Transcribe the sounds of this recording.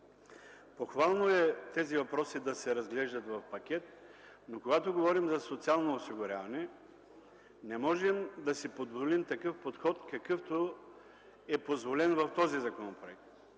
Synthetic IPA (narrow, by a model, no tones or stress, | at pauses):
poxvalˠnoɛt̪ɛzivɐpɾɔsid̪ɐsɛɾɐzɡlɛʒd̪ɐt̪vɐfpɐkʲɛt̪̚ | nokoɡat̪oɡovɔɾimzɐsot̪sialˠnoːsiɡʊɾʲavɐnɛ | nɛmɔʒɛmd̪ɐsipod̪volimt̪ɐkɤfpot̪xɔt̪kɐkɤft̪o | ɛpozvolɛnvɐft̪ɔzizɐkonopɾoɛk̚t̪